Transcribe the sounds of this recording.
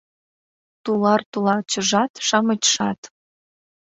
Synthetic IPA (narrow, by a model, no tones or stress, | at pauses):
t̪ulɑrt̪ulɑt͡ɕəʒɑt̪ʃɑmət͡ɕʃɑt̪